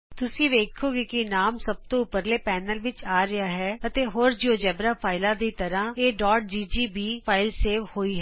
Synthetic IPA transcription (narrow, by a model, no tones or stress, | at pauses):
t̪ʊsĩːʋeːkʰoːɡɪkɪnaːmsəb̚t̪õːʊpəɾleːpɛːnəlʋɪt͡ʃaːɾɪaːɦɛːət̪eːɦoːɾd͡ʒioːd͡ʒɛːbɾaːpʰaːɪlãːd̪iːt̪əɾãːeːɖɔːɾʈ̚d͡ʒiːd͡ʒiːbiːpʰaːɪlseːʋhoːiːɦɛː